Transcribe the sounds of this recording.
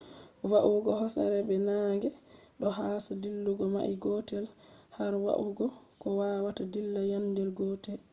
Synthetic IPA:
waʔuɡɔɦɔsa̰ɾɛbɛnaŋɡɛɗɔɦaːsadilːuɡɔma̰ʔiɡɔtɛlhaɾwa̰ʔuɡɔkɔwaːwatadilːajandɛlɡɔtɛl

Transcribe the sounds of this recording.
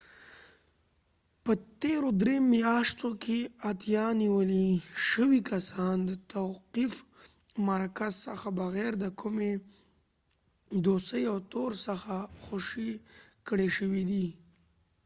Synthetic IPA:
pət̪eɾod̪ɾemjɑʃt̪okʰeat̪jɑniwəliʃəwikasɑnd̪ət̪awqif | maɾkazsəxabaɣɛɾd̪əkʰʊme | d̪ost̪əjawt̪oɾsəxaxoʃikɽeʃəwid̪i

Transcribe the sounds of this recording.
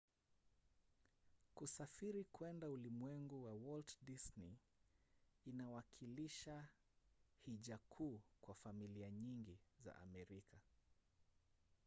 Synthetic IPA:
kusafiɾikwɛndaulimwɛŋɡuwawɔltdisni | inawakʰiliʃa | hiʄakʰuːkwafamiliaɲiŋɡiza̰ʔa̰mɛɾikʰa

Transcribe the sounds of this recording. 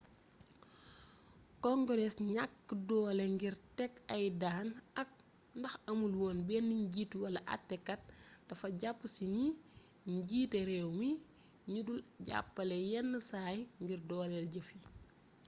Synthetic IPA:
kɔŋɡɔɾɛsɲakːdɔːlɛŋɡirtɛkːɐjdaːnɐk̚ | ndɐxɐmulwɔːnbɛnːiɲɟiːtwɐlɐʔɐ̰tːɛkːɐt̚ːɐfɐɟapːəsiɲi | ɲɟiːtɛɾɛwmi | ɲudulɟa̰pːɐlɛjɛnːəsaːjŋɡirdɔːlɛlɟɐfi

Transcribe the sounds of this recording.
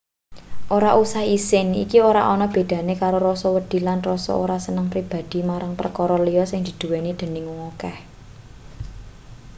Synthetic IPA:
ʔoɾaʔusahisɪnḭkioɾa̰ʔɔnɔb̥e̤d̪̥ä̤nekaɾoɾɔsɔwəd̪̥i̤lanrɔsɔ̰o̰ɾasənəŋpɾib̥a̤d̪̥i̤maɾaŋpərkɔɾɔlijɔsɪŋd̪̥i̤d̪̥ṳwenid̪̥ə̤nɪŋwɔkɛh

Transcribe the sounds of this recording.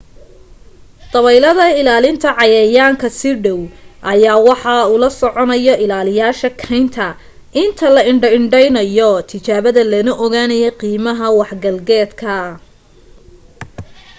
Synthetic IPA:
d̪ɐβɛjlɐðɐɪlaːlɪnt̪ʰɐʕɑjɐjaːŋkʰɐsɪɖɔwʔɐjaːwɑħɑulɐsɔʕɔnɐjɔʔɪlaːlɪjaːʃɐkʰɐjnt̪ʰɐ | ʔɪnt̪ʰɐlɐɪɳɖɐɪɳɖɛjnɐjɔt̪ʰɪt͡ʃaːβɐðɐlɐnɐʔɔɣaːnɐjɛqiːmɐɦɐwɑħɡɐlɡɛːd̪kʰɐ

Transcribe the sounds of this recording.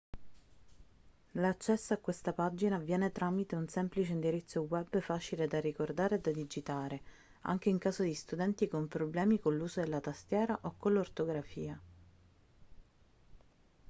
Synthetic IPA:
lat͡ʃːɛsːoakːwest̪apad͡ʒinavjɛːnet̪ɾamit̪eunsɛmplit͡ʃeind̪iɾit̪sːowɛbːfaːt͡ʃiled̪arikord̪aːɾeːd̪ad̪id͡ʒit̪aːɾe | a̰ŋk̟eiŋkaːzod̪ist̪ud̪ɛnt̪ikompɾoblɛːmikonlːuːzod̪elːat̪ast̪jɛːɾaʔokːolːort̪oɡɾafiːa

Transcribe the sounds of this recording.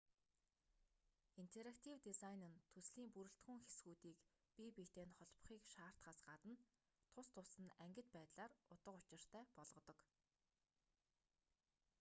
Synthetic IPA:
int̪ʰeɾakt̪ʰiwt̪izajnɘ̆nt̪ʰɵsɮiːmpuɾɘ̆ɬt̪ɡŭŋxesɡuːt̪iːk | pipit̪eːnχɔɮp̆χiːkʃaːr̥t̪χaːsɢat̪ə̆n | t̪ʰʊst̪ʰʊsə̆næŋɡʲɪ̆t̪̚pæːt̪ɮaːrʊt̪ə̆qʊt͡ɕɪ̆r̥t̪ʰæːpɔɮʁɞ̆t̪ɞ̆k

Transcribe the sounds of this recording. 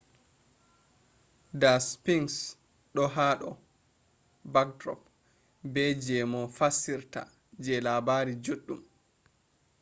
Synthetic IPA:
daspiŋs | ɗɔɦaːɗɔ | baktɾɔ̰p̚ | bɛd͡ʒɛmɔfasiɾta̰ | d͡ʒɛlabaːɾid͡ʒoɗːum

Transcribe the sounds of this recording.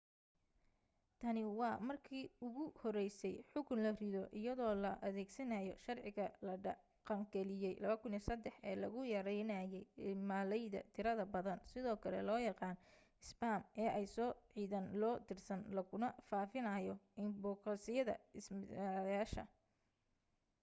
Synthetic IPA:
t̪ʰɐnɪwɑːmɐrkʰiːʊɣʊhɔɾɛjsɛjħʊkʰʊnlɐrɪðɔʔɪjɐðɔːlɐʔɐðɛːɡsɐnɐjɔ̰ʃɐrʕɪɣɐlɐɖɐ | qɑŋɡɛlɪjɛjlɐβɐkʰʊnɪsɐd̪ɛħɛ̰ːlɐɣʊjɐɾɛnaːjɛjmaːlɛjðɐ̰t̪ʰɪɾɐðɐbɐðɐnsɪðɔːkʰɐlɛ̰lɔːjɑqɑːn | ɪsbaːmʔɛːʔɛjsɔːʕiːðɐnlɔːt̪ʰɪrsɐnlɐɣʊnɐfaːfɪnɐjɔɪnbɔːqɐsɪjɐðɐ̰ɪsɪaljaːʃɐ̰

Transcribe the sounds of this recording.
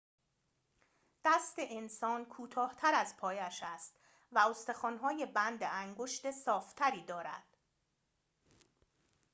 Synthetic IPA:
d̪̥æst̪e̞ʔensɒːnkʰuːt̪ʰɒːht̪ʰæɾæzpʰɒːjæʃæst̪ | væost̪e̞xɒːnɦɒːje̞bænd̪eæŋɡoʃt̪e̞sɒːft̪ʰæɾiːd̪ɒːɾæ̰d̪̥

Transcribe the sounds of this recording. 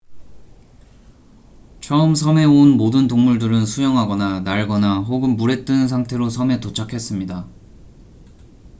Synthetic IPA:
t͡ɕʰʌɯmsʰʌme̞onmodɯntoŋmuɭdɯɾɯnsʰujʌŋɦaɡʌnanaɭɡʌnaɦoɡɯnbuɾe̞t̚t͈ɯnns̬ʰaŋtʰe̞ɾosʰʌme̞tot͡ɕʰakʰe̞s͈ɯmɲida

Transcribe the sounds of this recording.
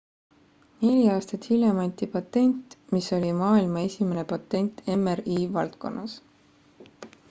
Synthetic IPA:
ne̞lʲiɑːst̪ɑt̪hilʲjemɑnʲt̪ʲipɑt̪ːˑe̞nʲt̪miso̞lʲimɑːilmɑe̞sʲimenepɑt̪ːˑe̞nʲt̪e̞meriːvɑlt̪̚ko̞̰nʔɑs

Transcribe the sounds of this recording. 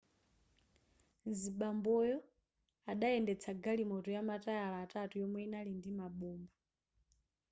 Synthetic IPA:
ziɓambɔjɔ | aɗaɛndɛt͡sʰaɡalimɔtɔjamatʼajalaːtʼatujɔmwɛinalindimaɓɔːmba

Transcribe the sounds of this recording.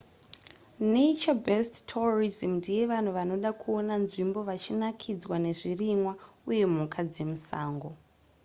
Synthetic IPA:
neit͡ʃabestːʰorizimndije̞ʋan̤uʋano̞ɗakʰuo̞nanʐimbo̞ʋat͡ʃinakʰid͡zwane̞ʐirimwauje̞mukʰad͡ze̞musaːŋɡo̞

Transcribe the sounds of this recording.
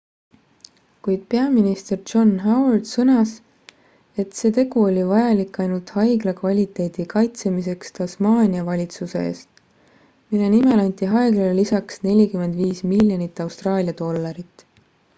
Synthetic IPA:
kujd̪̥̚pe̞ɑminist̪e̞r̥d͡ʒo̞nɦɑwɑrd̪̥sɤnɑs | e̞t̪se̞ːt̪e̞ɡuo̞lʲivɑjɑlikːɑjnult̪hɑjɡlɑkvɑlʲit̪ˑe̞d̪̥ikɑjt̪semise̞kst̪ɑsmɑːnʲiɑvɑlʲit̪suse̞̰ḛːst̪ | milenimelɑnʲt̪iɦɑjɡlellisɑksne̞lʲikyme̞nd̪viːsmilʲjonit̪ːˑɑwst̪rɑːlʲiɑd̪o̞lːɑɾit̪ːˑ

